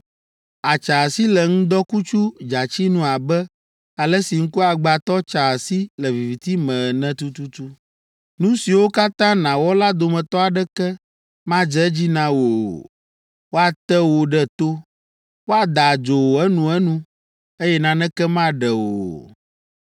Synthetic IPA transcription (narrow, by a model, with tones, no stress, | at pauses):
a˨t͡ʃa˨si˦lɛ˨ŋũ˦d̪ɔ˦ku˦t͡ʃu˦d͡ʒa˨t͡ɕi˦nũ˦a˨bɛ˦ | a˨lɛ˦si˨ŋ̩˦ku˦a˨ɡ͡ba˨t̪ɔ˦t͡ʃa˨si˦lɛ˨vi˨vi˨t̪i˦mɛ̃˨nɛ̃˦t̪u˦t̪u˦t̪u˦ | nũ˦si˨wo˦ka˦t̪ã˦nã˨wɔ˦la˦d̪o˨mɛ̃˨t̪ɔ˦a˨ɖɛ˦kɛ˦ | mã˦d͡ʒɛ˦d͡ʑi˦nã˦wo˨ | wo˦a˨t̪ɛ˦wo˨ɖɛ˦t̪o˦ | wo˦a˨d̪a˨d͡ʒo˨wo˨ɛ˦nũ˨ɛ˦nũ˦ | e˦jɛ˦nã˦nɛ̃˦kɛ˦mã˦ɖɛ˨wo̰˨